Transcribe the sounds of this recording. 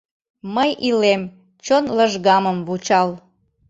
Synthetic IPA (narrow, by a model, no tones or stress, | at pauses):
məjilem | t͡ɕonləʒɣɑməmβut͡ɕɑl